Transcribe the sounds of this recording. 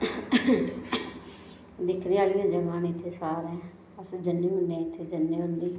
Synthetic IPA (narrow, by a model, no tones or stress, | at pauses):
d̪ɪkʰneːaːlɪjãːd͡ʒəmãːnɪt̪ʰːeːsaːɾɦɛ̃ː | əsd͡ʒənːeːʊɳːẽːɪt̪ʰːeːd͡ʒənːeːʊnːiː